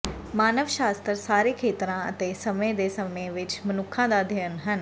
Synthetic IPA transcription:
maːnəʋʃaːst̪ɾsaːɾeːkʰeːt̪ɾãːə̰t̪eːsəmẽːd̪eːsəmẽːʋɪt͡ʃmənʊkʰːãːd̪aːd̪ʱənɦən

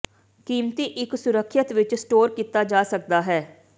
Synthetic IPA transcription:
kiːmt̪iːʔɪksʊɾəkʰːət̪ʋɪt͡ʃsʈoːɾkiːt̪aːd͡ʒaːsək̚d̪aːɦɛː

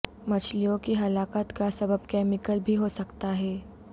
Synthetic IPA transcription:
mɐt͡ʃʰlijõkiɦɐlaːkət̪kasɐbəbkɛːmɪkəlbʱiɦosɐkt̪aɦɛː

